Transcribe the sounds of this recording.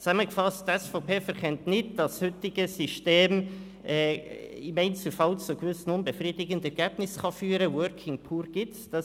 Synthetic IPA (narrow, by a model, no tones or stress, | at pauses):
t͡saməɡəfɑstdɛsfaʊpeːfɛɾkʰɛntnɪdd̥ɑshʏtɪɡəsyʃteːm | ʔɛːɪmeɪnt͡səl̩fɑlt͡suɡ̥vʏsn̩ʊnbəfriːdɪɡəndɛɾɡ̥ɛːb̥nɪsχɑfyːɾəwœɾkʰɪŋpʰuːɾɡ̥ɪ | d̥ɑ